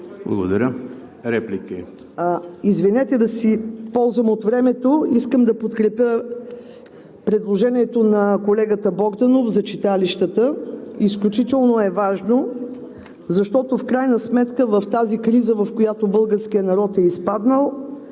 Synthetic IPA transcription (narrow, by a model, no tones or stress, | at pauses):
blˠɐ̰ɡo̰d̪ɐɾʲə | ɾɛplʲikəi | izvinɛt̪ɛd̪ɐsipɔlˠzvɐmot̪vɾɛmɛt̪oiskəmd̪ɐpot̪kɾɛpʲjə | pɾɛd̪lˠoʒɛniɛt̪onɐkolɛɡət̪əbɔɡd̪ɐnofzɐt͡ʃit̪aliʃt̪ət̪əisklʲut͡ʃit̪ɛlˠnoɛvaʒno | zɐʃt̪ɔt̪ofkɾajnəsmɛt̪kəvɐft̪azikɾizəvɐfkojat̪obɤlˠɡəɾsk̟ijənɐɾɔt̪ɛispad̪nəlˠ